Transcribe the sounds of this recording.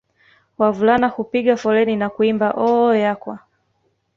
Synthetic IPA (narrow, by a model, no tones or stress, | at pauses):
wavulanahupiɡɠafɔlɛninakuimbaʔɔjakwa